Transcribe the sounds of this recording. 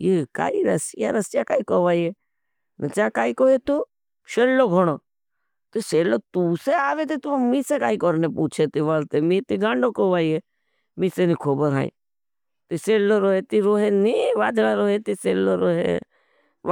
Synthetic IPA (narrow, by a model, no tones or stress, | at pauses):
jeka̰ːiɾɐsja̰ɾəst͡ʃaːkaːikoːʋaːie | nət͡ʃaːkaːikoːɦet̪uː | ʃeːlloɡʱoɽ̃oː | t̪iseːloːt̪uːseaːʋet̪it̪umiːsekaːikoɾnepuːt͡ʃʰet̪iʋalt̪emĩt̪iɡãːɳɖoːkoːʋaːie | misenikʰoːbəɾa̰ːḭ̃ | t̪iseːlːoɾoːɦet̪iɾoːɦeniʋaːd̪ɽaɾoːɦet̪iseːlːoːɾoːɦḛ